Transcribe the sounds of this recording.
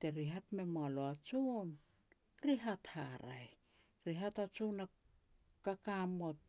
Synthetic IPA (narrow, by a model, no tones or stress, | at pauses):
te̞ɾiɦatme̞moaloat͡ʃun | ɾiɦathaɾa̰j | ɾiɦatat͡ʃuna | kakamot̚